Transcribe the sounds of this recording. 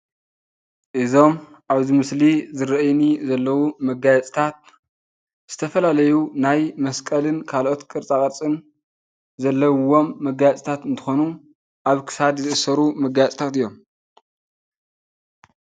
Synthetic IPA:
ʔɨzo̞m | ʔaβzimɨslizɨɾɐʔjnizɐlːɐwumɐɡajɛt͡sʼt̪ʰat̪̚ | z̥ɨt̪ʰɐfɐlalɐjunajmɐskʼɐlɨnkʰalʔo̞t̪kʼɨɾt͡sʼakʼɐɾt͡sʼɨn | zɐlːɐwwo̞mːɐɡajɛt͡sʼt̪ʰat̪ɨnt̪ʰɨ̥xo̞nu | ʔaβkʰɨ̥sad̪zɨʔɨsɐɾumɐɡajt͡sʼt̪ʰat̪ɨjːo̞m

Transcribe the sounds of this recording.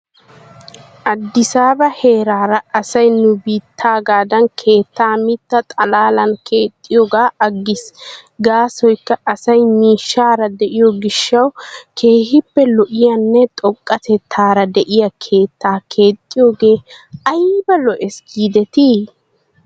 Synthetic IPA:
ʔɐd̪ːɪsaːbɐhe̞ːɾaːɾɐɐsɐjnʊbiːt̪ʰːaːɡaːd̪ɐnkʰe̞ːt̪ːaːmɪt̪ːɐt̪ʼɐlaːlɐnkʰe̞ːt̪ʼːɪjoːɡaːʔɐɡːɪsɡaːsɔjkːɐʔɐsɐjmiːʃːaːɾɐd̪ɛʔɪjɔɡɪʃːɐwkʰe̞ːhɪpːɛlɔʔɪjɐnːɛt̪ʼɔkʼːɐt̪ɛt̪ʰːaːɾɐd̪ɛʔɪjɐkʰe̞ːt̪ːaːkʰe̞ːt̪ʼːɪjoːɡe̞ːɐjbɐlɔʔɛsɡiːd̪ɛt̪iː

